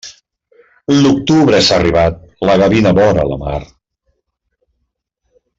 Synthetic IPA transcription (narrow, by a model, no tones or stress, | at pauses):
luk̚t̪uβɾəsaːriβat̪̚ləɣəβinəβɔnə̰lə̰ma̰r